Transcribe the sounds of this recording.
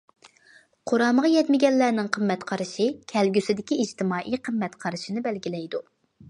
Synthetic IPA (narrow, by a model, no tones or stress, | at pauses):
qʰoɾɑːməʁɑjɛt̪mɪɡʲɛnːæɾnɪŋqʰəmːɛt̪qʰɑɾɨʃɨkʲʰɛlɡʲysɪd̪ɪkʲiːd͡ʒt̪ʰɪmɑːʔijqʰəmːɛt̪qʰɑɾɨʃinɨbɛlɡʲilɛjd̪u